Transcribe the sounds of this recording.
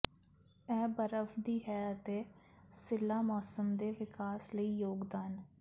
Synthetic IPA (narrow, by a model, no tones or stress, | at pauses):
ɛːbəɾəfd̪iːɦɛːəət̪eː | sɪlːaːmɔːsəmd̪eːʋɪkaːsləiːjoːɡd̪aːn